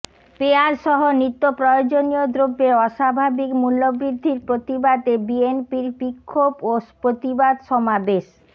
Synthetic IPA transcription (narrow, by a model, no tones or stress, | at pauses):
peaɾʃɔɦonɾit̪ːopɾɔjod͡ʑonijod̪ɾobːeɔʃabʱabikmulːobɾid̪ʱːiɾpɾot̪ibad̪ebienpiɾbikʰːopopɾot̪ibad̪ʃɔmabeʃ